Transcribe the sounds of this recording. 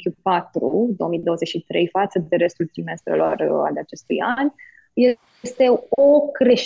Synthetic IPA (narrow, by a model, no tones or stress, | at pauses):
kʲupat̪ɾud̪o̞omid̪o̞əzet͡ʃʲʃit̪ɾe̞jfat̪səd̪e̞ɾe̞st̪ult̪ɾime̞st̪ɾḛlo̞̰ra̰lat͡ʃe̞st̪ṵjanʲ | je | st̪e̞okɾe̞ʃ